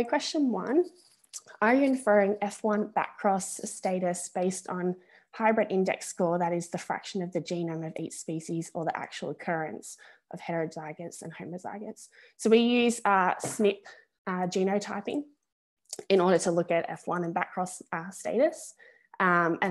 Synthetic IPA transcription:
kʰw̥ɛst͡ʃɨ̃nwʌ̰̃n | ə˞jəɨ̃ɱfɜ˞ɪ̃ŋɛfwʌ̃nbæ̰kʰɹ̥ɔsteɪɾɨsb̥eɪstn̩ | haɪbɹɨɾʔɪ̃ndɛ̰kskɔɹðɨɾɨzðɨfɹæ̰kʃɨ̃nʌvðɨd͡ʒĩnə̃mʌvḭtspiʃizə˞ðiʔæ̰k̚t͡ʃuwl̩ˠəkʰɜ˞ɨ̃nsʔʌv̥hɛədzaɪɡɨtsɨ̰̃nhə̃ʊməza̰ɪɡɨtsː | oʊwijʉzʌsnɪp̚ | d͡ʒĩnəʊtʰaɪpɪ̰̃ŋ | ɨ̃nɔɹɾə˞ɾəlʊkɨɾɛ̰fwʌ̃nɨ̃nbækʰɹ̥ɔsʌsteɪɾɨs | ʌ̃mɨ̃

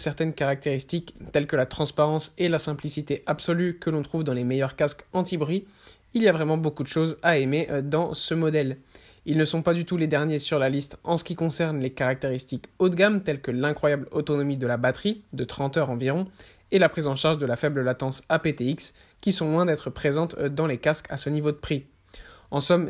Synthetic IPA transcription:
sɛʁt̪ɛnkaʁak̚t̪eʁist̪ikt̪ɛlkəlat̪χɑ̃spaʁɑ̃selasɛ̃plisit̪eʔapsɔlykəlɔ̃t̪χuvd̪ɑ̃lemejœʁkaskɑ̃t̪ibʁɥi | iliavʁɛmɑ̃bokud̪əʃozaemed̪ɑ̃səmɔd̪ɛl | ilnəsɔ̃pad̪yt̪uled̪ɛʁnjesyʁlalist̪ɑ̃sə̥kʲikɔ̃sɛʁnlekaʁak̚t̪eʁist̪ikod̪ɡamt̪ɛlkəlɛ̃kχwajablot̪ɔnɔmid̪əlabat̪χid̪ət̪χɑ̃t̪œʁɑ̃viʁɔ̃ | elapχizɑ̃ʃaʁʒd̪əlafɛbləlat̪ɑ̃sapet̪eiks | kʲisɔ̃lwɛ̃d̪ɛt̪χəpχezɑ̃t̪d̪ɑ̃lekaskʰasənivod̪əpχi | ɑ̃sɔm

